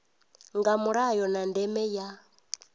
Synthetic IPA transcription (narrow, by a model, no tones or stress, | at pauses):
ŋɡamuɺajɔnandɛmɛja